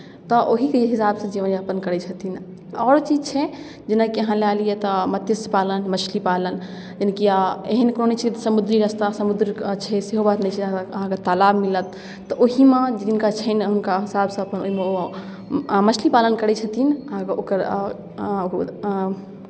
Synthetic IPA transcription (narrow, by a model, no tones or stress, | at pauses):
t̪ɔʔoɦikeɦisabsə̃d͡ʒeʋə̃nəpənkəɾɛt͡ʃʰət̪ʰin | ɔːɾt͡ʃid͡ʒt͡ʃʰɛ | d͡ʒinakeəɦãlalijet̪ɔmət̪jəspalənmət͡ʃʰlipalən | d͡ʒənkiaeɦənkɾonit͡ʃʰit̪səmud̪ɾiɾəst̪asəmud̪ɾit͡ʃʰɛseɦobat̪nɛt͡ʃʰiəɦãket̪alabmilət̪̚ː | ɔʔoɦimẽd͡ʒd͡ʒinkat͡ʃʰəɪnɦunkaɦisabsə̃əpənoɦimeo | mət͡ʃʰlipalənkəɾɛt͡ʃʰət̪ʰinəɦãkokəɾ | ok